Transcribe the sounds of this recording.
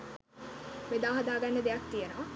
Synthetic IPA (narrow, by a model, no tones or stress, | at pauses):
med̪aːɦad̪aːɡanːəd̪ejak̚t̪ijenɐʋɐ